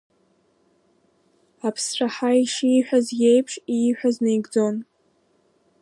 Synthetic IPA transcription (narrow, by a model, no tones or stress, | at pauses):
apʰsʈ͡ʂʷʰaħaiʃijħʷᶣazjejpʰʂiħʷᶣaznejɡd͡zo̞n